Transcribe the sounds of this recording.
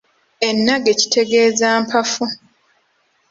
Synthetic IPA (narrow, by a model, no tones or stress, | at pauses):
e̞nːaɡeci̥tʰe̞ɡeːzaːmpʰafu